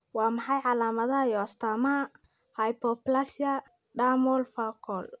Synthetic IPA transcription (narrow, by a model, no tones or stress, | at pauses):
wɑːmɑħɑjʕɑlaːmɐðɐjɔɐst̪ʰamɐ | hɐjpɔplɐsjɐ | ɖaːmɔlfakʰɔl